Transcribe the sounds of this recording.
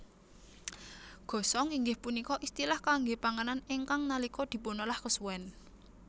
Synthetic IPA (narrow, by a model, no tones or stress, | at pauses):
ɡ̥ɔ̤sɔŋiŋɡɪhpunikɔʔist̪ilahkaŋɡepaŋananeŋkaŋnalikɔd̪̥i̤ponɔlahkəsuwɛn